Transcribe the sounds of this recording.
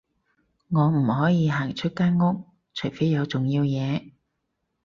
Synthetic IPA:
ŋɔː˨˧m̩˨˩hɔː˨˥jiː˨˧ɦaː˨˩ŋt͡ʃʰɵ˥t̚kaː˥nŋʊ˥k̚ | t͡ʃʰɵ˨˩fe˨˥jɐ˨˧wt͡sʊ˨ŋjiː˧wjɛː˨˧

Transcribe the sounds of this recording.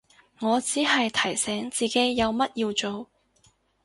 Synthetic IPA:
ŋɔː˨˧t͡siː˨˥ɦɐ˨jt̪ʰɐ˨˩jsɛː˨˥ŋt͡siː˨˩ke˨˥jːɐ˨˧wmɐ˥t̚jiː˧wt͡ʃo˨w

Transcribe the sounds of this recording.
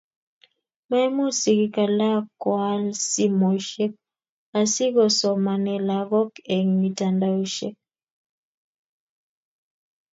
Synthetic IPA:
ma˦ɛ˦mo˦si˨ɣi˦ka˨la˦kwa˦lsi˦mo˨ʃe˦k̚ | a˨si˦ɣɔ˨sɔ˨ma˨nɛ˨la˨ɣɔ˦kɛ˨ŋmi˨ta˨nda˨u˦ʃe˦k̚

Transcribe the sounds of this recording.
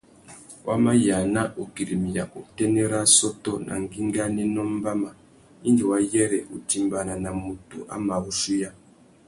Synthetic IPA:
wʔa˦ma˦ja˨na˦ʔu˨ki˨ɾi˨mi˨ja˨ku˨te˦ne˦ɾa˦sɔ˦tɔ˦na̰˨ŋɡi˦ŋɡa˦ne˦nɔ˦m˦ba˦ma˨ | i˦nd͡ʒi˨wa˦jɛ˦ɾɛ˨ʔu˨ti˦mba˨na˨na˨mu˨tṵ˨ʔa̰˨˦ma˨u˦ʃu˦ja˦

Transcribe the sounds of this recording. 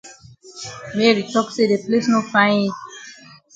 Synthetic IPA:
mɛɹi˨tɔkse˦de˨ple˦sno˦fã˦ɪ̃nit̚

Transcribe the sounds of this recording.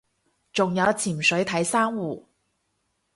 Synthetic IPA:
t͡ʃʊ˨ŋjɐ˨˧wt͡sʰiː˨˩msɵ˨˥ɥt̪ʰɐ˨˥jsaː˥ŋwuː˨˩

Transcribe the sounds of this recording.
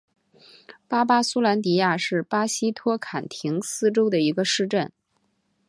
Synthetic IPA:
pa˥pa˥su˥la˧˥nt̪̬i˧˩ja˥˧ʂɻ̩˥˩pa˥ɕi˥t̪ʰwɔ˥kʰa˨˩nt̪ʰi˧˥ŋsɹ̩˥ʈ͡ʂo˥ʊd̪ə˨i˧˥ɡə˧ʂɻ̩˥˧ʈ͡ʂə˥˩n

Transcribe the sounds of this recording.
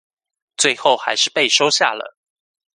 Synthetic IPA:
t͡swe˥˧ɪxo˥˨˩ʊxa̰˧˥ɪʂɻ̩˥˧pe˥˨ɪʂo˥ʊɕja̰˥˩lə̰˩

